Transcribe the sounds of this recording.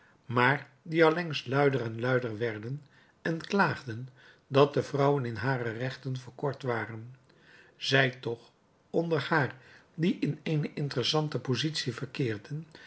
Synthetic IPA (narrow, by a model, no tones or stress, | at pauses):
maːɹ | diɑlɛŋslœɥdərɛnlœɥdəɹʋɛɹdən | ɛnklaːχdən | dɑt̚dəvrʌwənɪnɦaːrərɛχtənvəɹkɔɹtʋaːrən | z̥ɛjtɔχ | ɔndəɹhaːɹdiʔɪnejnəʔɪntərəsɑntəpozitsivəɹkɪːɹdən